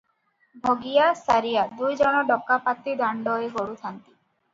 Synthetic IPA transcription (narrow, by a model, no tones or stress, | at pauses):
bʱoɡijasaɾijad̪ujd͡ʒɔɽ̃ɔɖɔkːapat̪id̪aɳɖɔeɡoɽut̪ʰant̪i̥